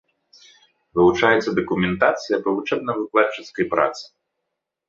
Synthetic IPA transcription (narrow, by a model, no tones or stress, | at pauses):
vɨlˠut͡ʂajɛt̪sːɐd̪ɐkumʲɛnt̪at̪sɨjɐpɐvut͡ʂɛb̚nɐvɨklˠat͡ʂːɨt̪skɐjpɾa̰t̪sɨ̥